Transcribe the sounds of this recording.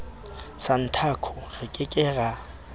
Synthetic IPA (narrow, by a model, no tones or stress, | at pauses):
san̩tʰakʰɔɣɪkʼɪkʼɛːra